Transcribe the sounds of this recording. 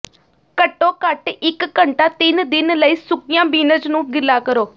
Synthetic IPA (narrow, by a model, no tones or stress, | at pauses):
kəʈːoːkəʈɪkːəɳʈaːt̪ɪnd̪ɪnləiːsʊkijãːbiːnəd͡ʒnũːɡɪlːaːkəɾoː